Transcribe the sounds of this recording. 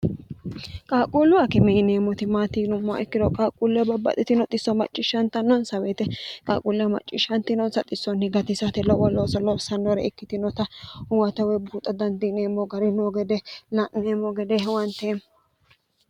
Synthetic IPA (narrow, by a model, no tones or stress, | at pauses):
kʼaːkʼulːʊɐkɪmɛneːmɔt̪ɪmaːt̪iːnʊmːʊa̰ʔɪkːɪd̪ɔkʼaːkʼulːɪɐbɐbːɐ̰t̪ʼɪt̪ɪnɔt̪ʼɪsːɔmɐ̰t͡ʃʼːɪʃːɐnt̪ɐnːɔnsɐwɛːt̪ɛkʼaːkʼulːɪjɐmɐ̰t͡ʃʼːɪʃɐnt̪ɪnɔnsɐt̪ʼɪsːɔnhɪɡɐt̪ɪsɐt̪ɛlɔwɔloːsɐlɔbsɐnːɔɾɛɪkːɪt̪ɪnɔt̪ɐʊwɐt̪ɐwɛbuːt̪ʼːɐd̪ɐnd̪ɪneːmːɔɡɐɾɪnoɡɛd̪ɛlɐneːmɔɡɛd̪ɛɦwɐnt̪eːm